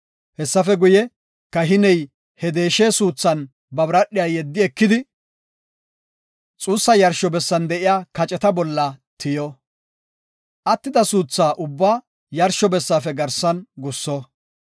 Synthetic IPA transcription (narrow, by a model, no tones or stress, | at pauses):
hɛsːɐfɛɡʊjɛ | kɐɦɪnɛj | hɛd̪e̞ːʃeːsuːt͡sːɐn | bɐbɾɐɗɪjajɛd̪ːɪɛkːɪd̪ɪ | t͡sʼuːsːɐjɐɾʃɔbɛsːɐnd̪ɛʔɪjaːkɐt͡ʃʼɛt̪ɐbɔlːɐt̪ɪjɔ | ʔɐt̪ːɪd̪ɐsuːt͡sːaːʔʊbːaː | jɐɾʃɔbɛsːaːfɛɡɐɾsɐnɡʊsːɔ